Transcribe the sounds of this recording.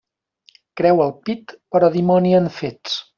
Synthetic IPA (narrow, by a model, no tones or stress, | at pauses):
kɾɛwəlˠpit̪pəɾɔðimɔniənfet͡s